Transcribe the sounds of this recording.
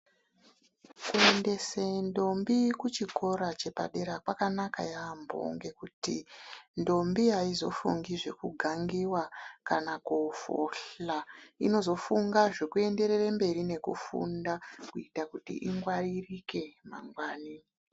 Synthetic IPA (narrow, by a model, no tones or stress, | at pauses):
kue̞nde̞sendo̞mbikut͡ʃikʰo̞ɾat͡ʃe̞pa̰ɗe̞ɾakwakanaka̰jambʱo̰ŋɡe̞kutḭndo̞mbiɦaizo̞̰fṵŋɡiʐe̞kuɡʱaŋɡiwakanakufo̰ɬaino̞zo̞fuŋɡaʐe̞kue̞nde̞ɾerambe̞ɾine̞kṵfṵndakuitakutḭʔiŋɡwaririke̞ma̰ŋɡwaːni